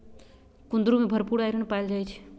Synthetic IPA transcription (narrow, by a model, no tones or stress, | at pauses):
kũnd̪ɾumebʱəɾpuɽajɾəɳpajld͡ʒajt͡ʃʰ